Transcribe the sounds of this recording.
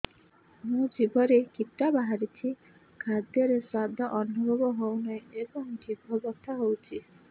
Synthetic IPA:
mũd͡ʒibʱɔɾekit̪ːabaɦaɾit͡ʃʰi | kʰad̪jɔɾeswad̪ʱɔʔɔnːɔbʱɔbɔɦownajebɔŋʈib̚bʱɔbɔst̪ʰaɦowt͡ʃʰi

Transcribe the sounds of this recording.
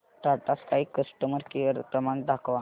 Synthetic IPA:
ʈaʈaskaɦiːkːəsʈəməɾkiʋəɾpɾəmaɳɖ̪akʰʋa

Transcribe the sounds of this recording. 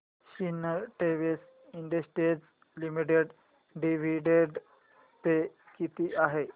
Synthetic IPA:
ɕinəʈeʋes | iɳɖəsʈed͡z | limiʈeɖ | ɖiʋ̤ʱiɖeɖ | pe | kit̪iːʔaɦe

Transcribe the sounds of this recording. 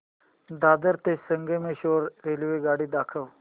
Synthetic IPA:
d̪ad̪əɾt̪esəŋɡemeɕoɾɾelʋeɡaɽiːd̪akʰəw

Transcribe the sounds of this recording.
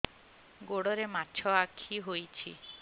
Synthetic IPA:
ɡoɽɔɾemat͡ʃʰɔakʰiɦojt͡ʃʰḭ

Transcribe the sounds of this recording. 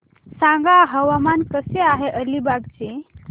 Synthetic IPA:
sãŋɡaɦəʋamankəseaɦeʔəlibaɡt͡ɕe

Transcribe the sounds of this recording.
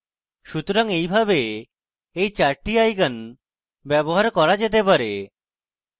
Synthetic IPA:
ʃut̪oɾaŋejbʱabe | ejt͡ɕaɾʈiajɡan | bɛboɦaɾkɔɾad͡ʑet̪̬epaɾe

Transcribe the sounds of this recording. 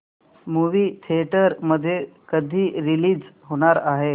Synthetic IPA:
muʋiːt̪ʰeʈəɾməd̪ʱːjekəd̪ʱiːɾiliːd͡zɦoɽ̃aɾaɦe

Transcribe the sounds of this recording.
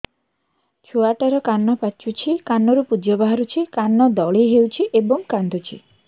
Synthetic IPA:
t͡ʃʰuaʈaɾɔkanːɔpat͡ʃʰut͡ʃʰikanːɔɾupud͡ʒɔbaɦaɾut͡ʃʰikanːɔd̪ɔɭeɦewt͡ʃʰiʔebɔŋkand̪ʱut͡ʃʰḭ

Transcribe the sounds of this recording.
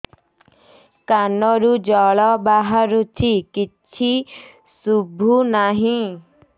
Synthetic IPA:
kanɔɾud͡ʒɔɭɔbaɦaɾut̪ʰikit͡ʃʰi | subʱunaɦĩ

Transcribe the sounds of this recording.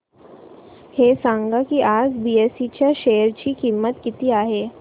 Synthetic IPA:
hesãŋɡakiʔad͡zbiesit͡ɕjaʃejəɾt͡ɕiːkimːət̪kit̪iaɦe

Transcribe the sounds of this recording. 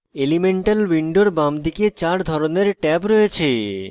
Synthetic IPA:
elimeɳʈalwiɳɖoɾbamd̪ʱiket͡ɕaɾd̪ʱɔɾoneɾʈɛpɾɔet͡ɕʰe

